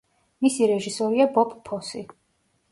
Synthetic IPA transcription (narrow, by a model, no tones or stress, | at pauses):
misiɾɛʒisɔɾiabɔpʰpʰːɔsi